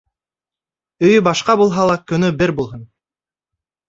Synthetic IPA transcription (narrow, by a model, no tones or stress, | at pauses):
ɵjbɑʃqɑbulˠɦɑlˠɑkɵ̆nybeɾbulˠɦɤn